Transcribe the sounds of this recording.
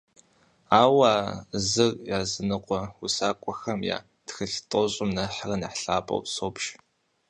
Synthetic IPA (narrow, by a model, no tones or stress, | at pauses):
aːwaːzɨrjaːzɨnɨqʷʼɔusaːkʷʼɔxɐmja̰ː | txɨɬtʼɔɕʼɪmnɐħrɐnaħɬaːpʼɐ̰wsoːpʃ